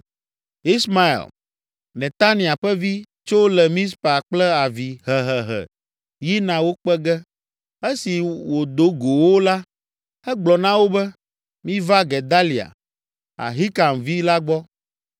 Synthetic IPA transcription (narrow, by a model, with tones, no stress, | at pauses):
i˦sma˦ḛ˨l | nɛ̃˨t̪a˦nĩ˨a˨ɸɛ˦vi˦ | t͡ʃo˦lɛ˨mĩ˦spa˨k͡plɛ˦a˨vi˨ɦɛ˨ɦɛ˨ɦɛ̰˨ | ji˦nã˨wo˦k͡pɛ˦ɡɛ˦ | e˦si˨wo˨d̪o˦ɡo˨wo˦la˦ | ɛ˦ɡ͡blɔ˨nã˦wo˦bɛ˦ | mĩ˦va˦ɡɛ˨d̪a˦li˨a̰˨ | a̰˨ɦi˦ka˨mvi˦la˦ɡ͡bɔ˦